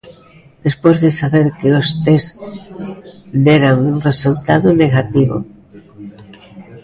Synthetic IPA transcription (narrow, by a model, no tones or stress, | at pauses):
d̪̥espozðesaβeɾkeost̪ez | d̪ɛɾaŋuŋresult̪aðʊneɣat̪iβʊ̰